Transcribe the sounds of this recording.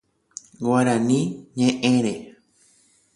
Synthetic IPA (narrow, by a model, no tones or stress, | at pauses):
ɡwaɾãnĩɲẽʔẽɾe